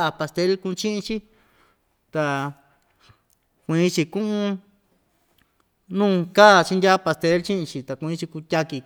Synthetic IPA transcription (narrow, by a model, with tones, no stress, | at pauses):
a˧pa˧st̪e˦lkũ˧t͡ʃĩ˦ʔĩ˧t͡ʃi˦ | t̪a˧ | kʷĩ˨˧˦t͡ʃi˧kũ˦ʔũ˧ | nũː˦˧ka˦˨t͡ʃi˧ndʲa˦˧pa˧st̪e˨˦lt͡ʃĩ˦ʔĩ˧t͡ʃi˧t̪a˨kʷĩ˧˦t͡ʃi˧ku˧tʲa˧ki˧